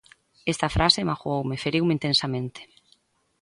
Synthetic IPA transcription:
est̪ɐfɾasemaxuowmefeɾiwmeint̪ensamẽnt̪e̥

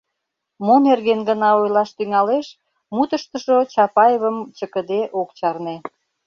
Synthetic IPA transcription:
monerɣenɡənɑojlɑʃt̪yŋɑleʃ | mut̪əʃt̪əʃot͡ɕɑpɑjeβəmt͡ɕəkəd̪eʔokt͡ɕɑrne

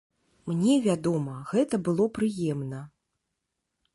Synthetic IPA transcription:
mnʲɛvʲad̪ɔmɐɣɛt̪ɐbɨlˠɔpɾɨjɛmnɐ

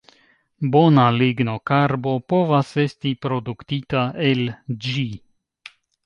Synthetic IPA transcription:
bo̞naliɡno̞kaɾbo̞po̞vase̞stipɾo̞duktitaʔe̞ld͡ʒi

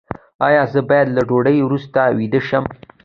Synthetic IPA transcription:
ɑjɑzəbɑjad̪laɖoɽəjwɾust̪awid̪əʃəm

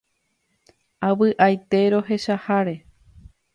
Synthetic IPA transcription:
aʋɨʔajt̪e̞ɾo̞ɦe̞ʃahaɾe̞

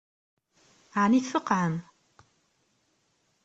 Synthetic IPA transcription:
ʕaniθfəqːʕəm

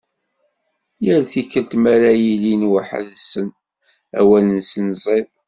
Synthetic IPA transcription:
jəɾθikːəlt̪mæɾæjilinwəħə̰ðsən | æ̰wælənsənzˤeðˤ

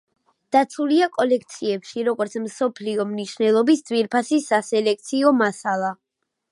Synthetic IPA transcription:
d̪̥at̪sʰuliakʼɔlɛk̚ʰt̪sʰiɛpʃiɾɔɡɔɾt̪sʰmsɔpʰliɔmniʃnɛlˠɔbisd̪zviɾpʰasisasɛlɛkʰt̪sʰiɔmasalˠa

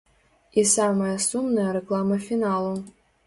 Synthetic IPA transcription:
isamɐjɐsumnɐjɐɾekʼlˠamɐfʲinalˠo

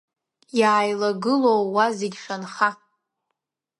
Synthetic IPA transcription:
jaːjlaɡɨlowwazeɡʲʂanχa

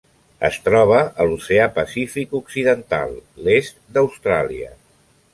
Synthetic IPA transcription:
ə̰st̪ɾɔβ̞əːluseapəsifikuksiðənt̪a̰lˠːest̪̚d̪əwst̪ɾaliə̰

